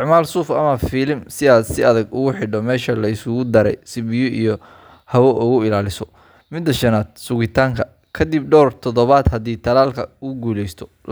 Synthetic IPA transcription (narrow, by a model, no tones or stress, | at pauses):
ʕmaːlsuːfɐmɐfiːlɪmsɪaːd̪sɪɐðɐɡʊɣʊħɪɖɔmɛːʃɐlɐɪsʊɣʊd̪ɐɾɛ̰jsɪbɪjʊʔijɔ | hɐwɔʔʊɣʊɪlaːlɪsɔ | mɪd̪ːɐʃɐnaːd̪̚sʊɣɪt̪ʰaːŋkʰɐ | kʰɐd̪ib̚ɖɔːrt̪ʰɔðɔβaːd̪hɐd̪iːt̪ʰɐlaːlkʰɐʊɡuːlɛjst̪ʰɔ̥